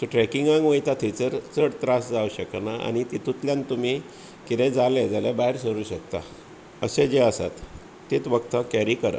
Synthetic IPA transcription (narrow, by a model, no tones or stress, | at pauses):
t̪uʈɾɛkiŋɡãŋɡʋəjt̪at̪ʰit͡səɾt͡səɽt̪ɾasd͡zauɕəknaa̰ñit̪it̪ʰut̪ljãnt̪um̤i | kit̪ẽd͡zaled͡zalebaɦiɾsəɾuːɕəkt̪a̰ | ə̰sed͡ʑeəsa̰t̪ː | it̪ʋəkt̪akɛɾikəɾə̰